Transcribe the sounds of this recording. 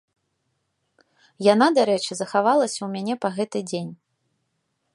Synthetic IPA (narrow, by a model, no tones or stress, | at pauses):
janad̪aɾɛt͡ʂɨzɐxavalˠɐsʲɐwmʲanʲɛpɐɣɛt̪ɨd͡zʲenʲ